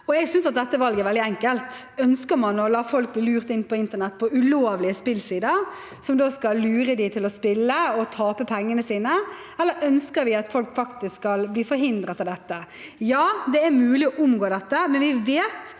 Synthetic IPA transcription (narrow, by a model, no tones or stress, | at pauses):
ɔɛɡsʏnsɑt̪̚d̪ɛt̪ːəʋɑlɡəɛɾʋɛld̪ɪɛŋkəlt̪ | œnskəɾmɑnɔlɑːfɔlk̚bliːlʉːʁt̪ɪnpʰɔɪnt̪əɳɛt̪ːpʰɔʉloːʋlɪəspɪlsiːd̪əɾ | sɔmd̪oːskɑlːʉːɾəd̪ɪt̪ʰɪlɔspɪlːəɔt̪ʰɑːpəpʰɛŋːənəsiːnə | ɛlːəɾœnskəɾʋɪɑt̪fɔlkfɑkt̪ɪsskɑlbliːfɔɾɦɪnd̪ɾət̪ɪld̪ɛt̪ːə | jɑːd̪ɛæɾmʉːlɪɔʔʊmɡoːd̪ɛt̪ːəmɛnʋɪʋeːt̪